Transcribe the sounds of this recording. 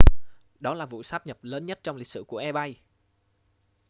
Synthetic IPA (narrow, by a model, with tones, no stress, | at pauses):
ɗɔ˨˦laː˨˩vṵ˧˨saː˦˥p̚ɲə˨˩p̚ləː˨˦nɲə˦˥t̚t͡ɕɔ˧wŋ͡mlï˨˩k̚sɨ̰˧˨ku˧˩əʔɛ˧ɓa˧j